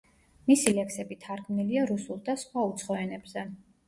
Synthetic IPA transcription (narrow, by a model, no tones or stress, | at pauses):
misilɛksɛbit̪ʰaɾɡmniliaɾusulˠd̪asχwaut̪sʰχɔɛnɛbz̥ɛ